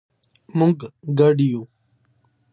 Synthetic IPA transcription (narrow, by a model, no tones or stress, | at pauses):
mʊŋɡɡəɖijũː